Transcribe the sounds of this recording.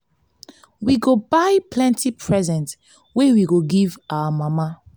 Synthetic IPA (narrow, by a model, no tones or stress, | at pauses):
wiɡobajplɛ̃ntʰipʰɹɛzɛ̃nt | wewiɡoɡivawamama